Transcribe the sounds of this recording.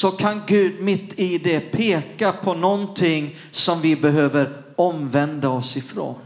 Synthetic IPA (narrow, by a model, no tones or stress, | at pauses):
sɔkʰanɡʉ̟ːd̪mɪt̪ːɪd̪ɛpʰeːkapʰɔnɔnt̪ʰɪŋː | sɔmvɪbɛɦøːvəɾ | ɔmvɛnd̪aɔsɪfɾo̰ːn